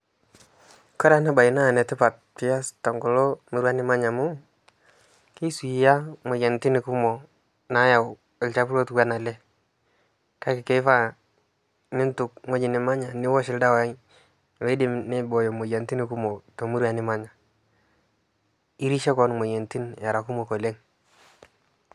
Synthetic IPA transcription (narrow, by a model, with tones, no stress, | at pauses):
kɔ˦ɾa˦na˦ba˨ɪ˨na˦˨nɛ˨tɪ˦pa˨t̚pɪ˦ja˦stɔ˨ŋɡʊ˨lo˦mu˦ɾwa˦nɪ˦ma˦ɲa˨mʊ˦ | ki˦su˨i˨ja˦mʊ˨je˨nti˦ni˨ku˦mo˨ | na˦ja˨w | ɪ˨lt͡ʃa˦pu˦lo˦tkwa˦na˨lɛ˦ | ka˦kɪ˨ke˦fa˦ | nɪ˦ntʊ˨k̚ŋo˦d͡ʒi˨nɪ˨ma˦ɲa˨nɪ˦wɔ˦ʃɪ˨lda˦wja˦j | le˦dɪ˦mnɪ˦bɔ˨jo˨mo˨ja˨nti˦ni˨ku˦mo˨to˨mu˦ɾwa˨nɪ˦ma˦ɲa˨ | i˦ɾi˦ʃe˦kɔ˨nmo˨je˨nti˦nja˨ɾa˨ku˦mo˨ko˨le˦ŋ